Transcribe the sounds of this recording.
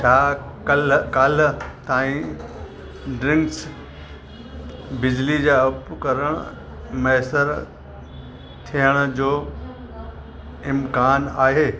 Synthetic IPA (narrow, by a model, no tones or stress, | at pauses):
t͡ɕʰaːkɐlkalt̪aːĩ | ɖɾɪ̃ŋks | bɪd͡ʑlid͡ʑaːɐpkɐɾəɽ̃ | mɐɦsəɾ | t̪ʰijəɽ̃d͡ʑoː | ɪmkaːnaːɦeː